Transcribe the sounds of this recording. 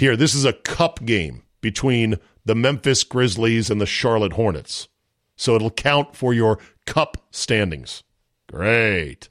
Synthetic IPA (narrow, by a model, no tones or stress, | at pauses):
hiɹðɪs̬ɨzɨkʰʌpɡ̥ẽɪ̃m | b̥ɨtʰw̥ĩn | ðɨmɛ̃ɱfɨsɡ̥ɹɪzlizɨ̃nðɨʃɑɹlˠət̚hɔɹnɨ̰tsː | oʊəɾl̩ˠkʰãʊ̃ntfə˞jə˞kʰʌpstæ̃ndɪ̰̃ŋz̥ | ɡ̥ɹeɪt